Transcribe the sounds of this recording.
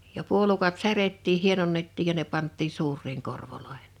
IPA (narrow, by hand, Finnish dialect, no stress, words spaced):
jɑ puolukɑt særetːiːh̆ hienonːetːiːj jɑ ne pɑntːiːn̞ suːrˑiːŋ korʋoloehe̥n̥